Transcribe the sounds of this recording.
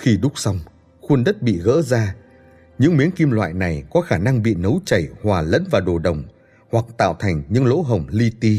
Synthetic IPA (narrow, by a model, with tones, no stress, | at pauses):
xi˧ɗʊ˦˥k͡p̚sa˧wŋ͡m | xwə˧ənɗə˦˥t̚ɓḭ˧˨ɣə̰ː˧˥zaː˧ | ɲɨ̰˧˥ŋmi˨˦ənki˧mlwa̰ː˧˨jna˨˩jkɔ˨˦xaː˧˩na˧ŋɓḭ˧˨nə˨˦wt͡ɕə˧˩jhwaː˨˩lə̰˧˥nvaː˨˩ɗo˨˩ɗə˨˩wŋ͡m | hwa˨˩k̚t̪a̰ː˧˨wt̪ʰa˨˩jŋ̟ɲɨ̰˧˥ŋlo̰˧˥ɦə˨˩wŋ͡mli˧t̪i˧